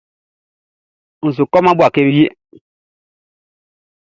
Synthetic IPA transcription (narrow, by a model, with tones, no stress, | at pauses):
n̩˨s̬u˨kɔ˦ma˦bu˦a˨ke˦bi˦je˦